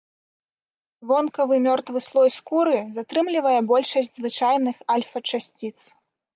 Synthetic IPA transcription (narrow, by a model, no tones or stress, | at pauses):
vɔnkɐvɨmʲɔrt̪vɨslˠɔjskuɾɨzat̪ɾɨmlʲivɐjɛbɔlʲʂɐsʲd͡zʲzvɨt͡ʂajnɨxɐlʲfɐt͡ʂasʲt͡sʲit̪s